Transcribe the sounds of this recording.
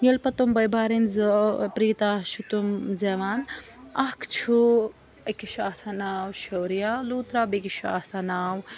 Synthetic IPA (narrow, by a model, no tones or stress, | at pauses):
jelpɐt̪umbɐjbʱaːɾinzpɾiːt̪aːʃut̪umzeʋaːn | ɐkʰt͡ʃʰu | ɐkiʃaːsanaːwʃowɾijaluːt̪ɾabekiʃua̰ːsanaːw